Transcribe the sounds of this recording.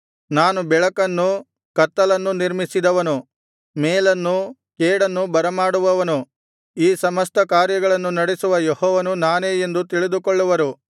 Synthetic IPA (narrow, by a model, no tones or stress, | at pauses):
naːnubɛɭɐkɐnːu | kɐɾt̪ːɐlɐnːuniɾmisid̪ɐʋɐnu | meːlɐnːu | keːɽɐnːubɐɾɐmaːɽuʋɐʋɐnu | iːsɐmɐst̪ɐkaːɾjɐɡɐɭɐnːunɐɽesuʋɐjehɔːʋɐnunaːneːje̞nd̪ut̪iɭid̪ukɔɭːuʋɐɾu